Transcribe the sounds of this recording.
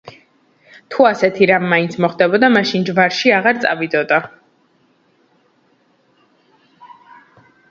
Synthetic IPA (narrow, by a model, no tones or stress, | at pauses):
t̪ʰuasɛt̪ʰiɾamːaint̪sʰmɔχd̪ɛbɔd̪amaʃind͡ʒvaɾʃiaʁaɾt̪sʼa̰vid̪ɔd̪a